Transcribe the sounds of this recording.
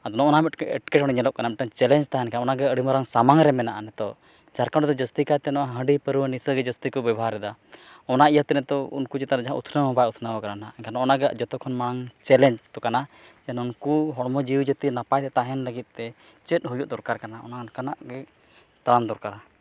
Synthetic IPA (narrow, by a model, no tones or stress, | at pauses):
ad̪ɔnɔʔɔnamɛʈkɛ̰ʈkɛʈɦɔɽ̃iɲɛlɔʔ̚kanamɛʈ̚ənt͡ʃɛlɛɲd͡ʒt̪aɦɛnkanaɔnaɡɛəɽimɔɾaŋsamaŋɾɛmɛnaʔanɛt̪ɔ | d͡ʒaɾkaɔd̪ɔd͡ʒəst̪ikat̪ɛnɔʔaɦə̃ɳɖipəɾuwənisəɡɛd͡ʒəst̪ikɔbɛbɦaɾɛd̪a | ɔnaʔijat̪ɛnɛt̪ɔṵnkut͡ʃɛt̪aɾad͡ʒaɦãṵt̪ʰnəɔbajut̪ʰnawɔkaɾanaɛkʰanɔɔnaɡaʔd͡ʒɔt̪ɔkʰɔnmaɽaŋt͡ʃɛlɛɲd͡ʒt̪ɔkana | d͡ʒɛnunkuɦɔɽmɔd͡ʒiwd͡ʒət̪inapajt̪ɛt̪aɦɛnləɡit̪̚ˀt̪ɛ | t͡ʃɛt̪̚ˀɦujuʔ̚d̪ɔɾkaɾkanaɔ̰nankanaʔɡɛ | t̪aɾamd̪ɔɾkaɾa